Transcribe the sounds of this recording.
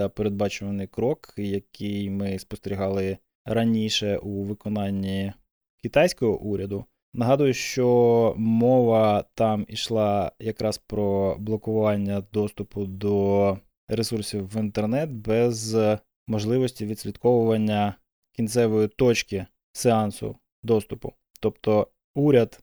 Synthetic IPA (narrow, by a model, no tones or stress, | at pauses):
ɐpeɾed̪̚bɑt͡ʃʊʋɐnɪjkɾɔkjɐkʰɪjmɪspɔst̪eɾʲiɦɑlˠɪ | ɾɐnʲiʃɛʔuʋɪkɔnɑnʲːi | kʲɪt̪ɑjsʲkɔɦɔ̰ʔuɾʲɐd̪ʊ | nɐɦɑd̪ʊjʊʃt͡ʃɔmɔʋɐt̪ɑmḭʃlˠɑjɐkɾɑspɾɔblˠɔkʊʋɑnʲːɐd̪ɔst̪ʊpʊd̪ɔ | ɾesursʲiwʋint̪ernɛt̪bɛz | mɔʒlˠɪʋɔsʲtʲiʋʲid̪ʲsʲlʲit̪kɔʋʊʋɐnʲːɐ | kʲint̪sɛʋɔjit̪ɔt͡ʃkɪ | seɑnsʊ̰ | d̪ɔst̪ʊpʊ̰ | t̪ɔpt̪ɔ | uɾʲɐd̪